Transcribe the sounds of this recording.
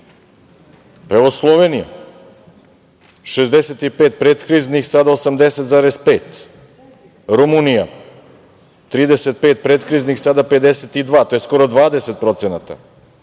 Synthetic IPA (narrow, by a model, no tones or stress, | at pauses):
peʋoslˠoʋe̞nija̰ | ʃezd̪eset̪ipeːt̪̚pɾet̪kɾiːznixsad̪aosamd̪e̞set̪zaːɾe̞zpeːt̪ | ɾumunija | t̪ɾiːd̪e̞set̪̚pe̞ːt̪̚pɾet̪kɾiːznixsad̪ape̞d̪e̞set̪id̪ʋaːt̪o̞je̞sko̞ɾo̞d̪ʋaːd̪eset̪̚pɾo̞t̪senat̪a̰